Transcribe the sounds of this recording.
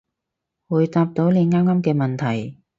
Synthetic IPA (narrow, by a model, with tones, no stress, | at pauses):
wuː˨˧jt̪aː˧p̚t̪o˨˥wne˨˧ŋaː˥mŋaː˥mkɛː˧mɐ˨nt̪ʰɐ˨˩j